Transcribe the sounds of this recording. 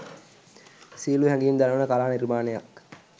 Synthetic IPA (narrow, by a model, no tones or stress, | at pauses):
siːluɦæŋɡiind̪ænəʋənəkalaːniɾimaːneja̰k